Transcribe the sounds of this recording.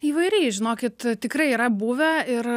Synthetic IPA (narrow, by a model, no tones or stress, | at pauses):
iːʋɐɪɾʲɛɪʒʲɪnoːkʲɪt̪t̪ʲɪkɾɐɪiːɾɐbuʋʲɛɪɾ